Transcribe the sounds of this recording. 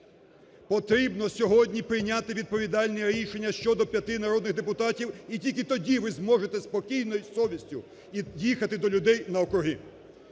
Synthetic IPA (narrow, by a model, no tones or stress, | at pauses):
pɔt̪ɾʲibnɔsʲɔɦɔdʲnʲipɾɪjnʲat̪ɪʋʲid̪̚pɔʋʲid̪ɑlʲnɛɾʲiʃenʲːɐʃt͡ʃɔd̪ɔpʲjɐt̪ɪnɐɾɔd̪nɪɣd̪epʊt̪ɑtʲiwitʲilʲkɪt̪ɔdʲiʋɪzmɔʒet̪ɛspɔkʲijnɔjisɔʋʲisʲtʲʊ | idʲixɐt̪ɪd̪ɔlʲʊd̪ɛjnɐɔkɾʊɦɪ